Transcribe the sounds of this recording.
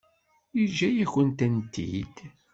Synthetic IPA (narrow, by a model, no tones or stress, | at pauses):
iʒæjæçənt̪ænt̪ḭd̪̥